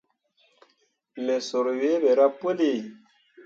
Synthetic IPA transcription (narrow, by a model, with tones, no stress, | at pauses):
me˨su˨ɾwe˦be˨ɾa˦pu˦li˨